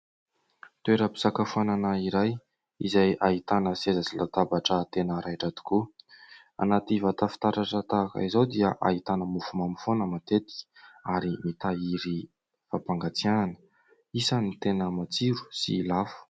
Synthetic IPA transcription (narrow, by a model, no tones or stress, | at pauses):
t̪ueɾəpi̥z̥akafuananaiɾaj | izajait̪anəsezat͡silat̪abaʈ͡ʂət̪enəɾʔajʈ͡ʂat̪i̥ku | a̰nat̪ivat̪afi̥t̪aɾaʈ͡ʂət̪aːkə̰izawd̪iəʔa̰ɦit̪anəmufumamifonəmat̪et̪i̥ki̥aɾimit̪aiɾi | fapaŋɡat͡siananə̥ | isanit̪enəmat͡siɾu̥sḭlafu̥